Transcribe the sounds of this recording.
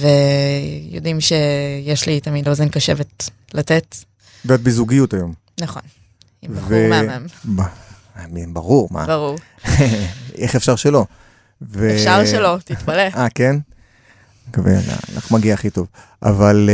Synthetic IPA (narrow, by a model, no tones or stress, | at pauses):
ve | jodimʃejeʃlitamidlozenkaʃevet | latet | bat̪̚bizuɡijutajo̞m | nɐχo̞n | iveaamba | mibaʁuʁma̰baʁuʁ | eχefʃaʁʃelo̞ | vefʃaʁʃelo̞t̪itpaleaken | kavḛa̰na̰na̰χnumaɡiaːχito̞v | ʔa̰val